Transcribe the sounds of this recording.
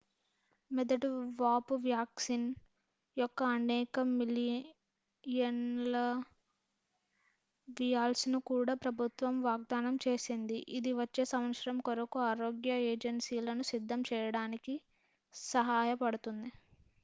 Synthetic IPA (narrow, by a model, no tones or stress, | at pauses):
mɛd̪ɐʈuʋaːpuʋjaːksin | jɔkːɐːnɛːkɐmili | jɐnlɐ | ʋijaːlsnukuːɽaːpɾɐbʱut̪ʋɐmʋaːɡ̚d̪aːnɐmt͡ʃe̞ːsind̪iʔid̪iʋɐt͡ʃːeːsɐmɐt̪sɾɐmkɔɾɐkuaːɾoːɡjɐeːd͡ʒensiːlɐnusid̪ʱːɐmt͡ʃɛːjɐɽaːniki | sɐɦaːjɐpɐɽut̪und̪i